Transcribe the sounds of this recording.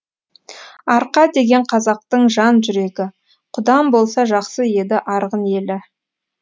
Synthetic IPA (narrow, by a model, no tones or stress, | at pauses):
ɑɾqɑd̪e̞ɡʲe̞ɴqʰɑzɑq̚t̪əɴʒɑnʒʏɾe̞ɡʲɪ | qʰʊd̪ɑmbo̞lˠsɑʒɑqsəje̞d̪ɪʔɑɾʁəne̞lɪ